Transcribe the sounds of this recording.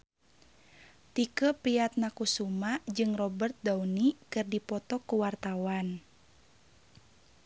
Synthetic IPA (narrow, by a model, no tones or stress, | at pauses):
t̪ikəpiat̪̚nakusumad͡ʒɨŋrɔbərt̪̚daunikɨrdipɔt̪ɔkuwart̪awan